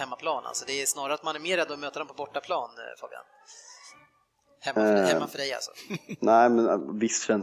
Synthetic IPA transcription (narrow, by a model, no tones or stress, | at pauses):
ɛmːapʰlɑːnʔa̰lsɔd̪ɛæʂnɑːɾaɾat̪manɪɪmeːɾad̪ɔmøːt̪ad̪ɔmpʰɔbɔʈːapʰlɑːnfɔ̰ːbɪa̰n | hɛmːhɛmːafœɖɛja̰lsɔ̥̰næɪmɛnvɪst̪fœɾɛn